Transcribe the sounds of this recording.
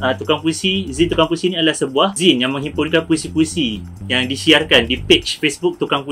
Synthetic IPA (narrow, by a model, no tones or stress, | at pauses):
ət̪ukaŋpuisizint̪ukaŋpuisinĩadəlahsəbuahzinjaŋmə̃ŋɦimpʊnkanpuisipuisi | jaŋdisiarkandipet͡ʃfesbuk̚t̪ukaŋpu